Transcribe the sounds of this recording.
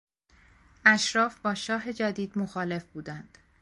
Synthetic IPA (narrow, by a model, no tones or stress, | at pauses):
ʔæʃɾɒːfbɒːʃɒːɦe̞d͡ʒæd̪iːd̪moxɒːle̞fb̥uːd̪ænd̪̥